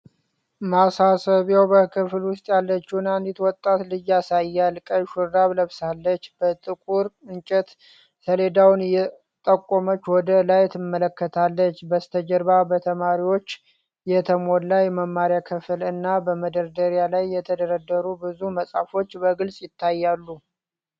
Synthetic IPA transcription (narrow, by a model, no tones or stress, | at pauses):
masasəβjewbəkʰɨflwʊst̪ʼjalːət͡ʃːunand̪it̪wɔt̪ʼːat̪lɨjasajːalkʼəʃuɾd̪aβləβsalːət͡ʃːbət̪ʼɨkʼuɾɨnt͡ʃʼɛt̪ | səle̞d̪awnjɛ | t̪ʼəkʼːomət͡ʃːwɔd̪əlajt̪ʰɨmːələkːət̪ʰalːət͡ʃːbəst̪ʰəd͡ʒəɾbabət̪ʰəmaɾiwo̞t͡ʃː | jɛt̪ʰəmolːajɛməmːaɾjakʰɨfɨlɨnːabəməd̪əɾd̪əɾjalajːɛt̪ʰəd̪əɾəd̪ːəɾubɨzuməsʼafo̞t͡ʃːbəɡɨlsʼjɪt̪ʰːajːalːu